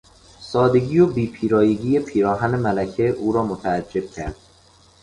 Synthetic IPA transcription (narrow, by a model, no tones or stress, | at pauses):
sɒːd̪e̞ɡiːjobiːpʰiːɾɒːjeɟiːjepʰiːɾɒːɦænemælæcʰeʔuːɾɒːmot̪ʰæːd͡ʒːe̞b̥̚cʰæ̰ɾd̪̥̚